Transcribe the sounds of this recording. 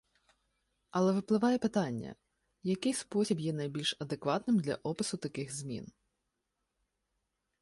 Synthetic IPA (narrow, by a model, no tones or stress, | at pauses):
ɐlˠɛʋɪplˠɪʋɑjɛpɪt̪ɑnʲːɐ̰ | jɐkɪjspɔsʲibjɛnɐjbʲilʲʃɐd̪ekʋɑt̪nɪmd̪lʲɐ̰ʔɔpɪsʊt̪ɐkɪxzmʲḭn